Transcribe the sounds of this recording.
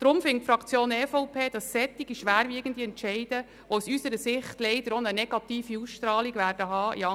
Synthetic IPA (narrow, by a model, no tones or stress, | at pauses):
d̥ɾʊmfɪŋtfɾɑkt͡sjoːnɛfɔʊpʰeːd̥ɑsːɛt̪ːiɡiʃʋæːɾviəɡ̥ən̩d̥̪iɛntt͡ʃɛɪd̥ə | ʋousysəɾəsɪχtlɛɪdəɾonənɛɡ̥ɑt̪iːfiusʃtrɑːliɡʋæːrd̥əɦɑːʔḭɑ